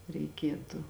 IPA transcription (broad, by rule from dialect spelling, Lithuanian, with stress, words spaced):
rʲɛɪˈkʲiɛtʊ